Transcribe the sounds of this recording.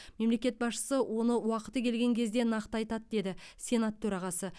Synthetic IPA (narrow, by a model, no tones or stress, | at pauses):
me̞mle̞kʲe̞t̪̚bɑsʃə̥səwʔo̞nəwɑqə̥t̪əkʲʰe̞lɡʲe̞ŋkʲʰe̞zd̪e̞nɑqt̪əɑjt̪ɑt̪d̪e̞d̪ɪsʲe̞nat̪ʰːɵɾɑʁɑsə